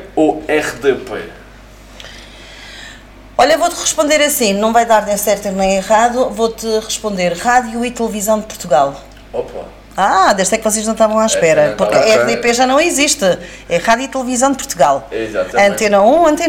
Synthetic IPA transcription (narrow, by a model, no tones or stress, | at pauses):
oɛʁd̪epḛ | ɔʎɐvot̪ʁɨʃpõnd̪eɾɐsĩnɐ̃w̃vajðaɾnẽsɛɾt̪inẽj̃iʁaðuvot̪ɨʁɨʃpõnd̪eɾʁaðjuit̪lˠɨvizɐ̃w̃d̪ɨpuɾt̪uɣalˠ | opa̰ | ad̪eʃd̪ɛkvɔs̬eʒnɐ̃w̃t̪avɐ̃w̃aʃpɛɾɐpuɾkɐɛʁd̪epeʒanɐ̃w̃iziʃt̪ɨ | ɛʁaðjuit̪lˠvizɐ̃w̃d̪̚puɾt̪uɣalˠɛizat̪ɐ̃nt̪enɐũɐ̃nt̪e